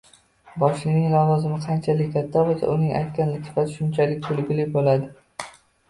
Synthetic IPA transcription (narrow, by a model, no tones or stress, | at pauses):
bɒʃlɪnɪŋlˠɒvɒzɪmɪqʰɑnt͡ʃʰalɪkʲkʲʰat̪ʰːabɒsa̰ʔʊnɪŋʔa̰jt̪̚kʲanlɪkʲɪ̥fasɪʃʊnt͡ʃʰalɪk̚ʲt̪ʰʊlɡʲɪlɪkʲbolad̪ɪ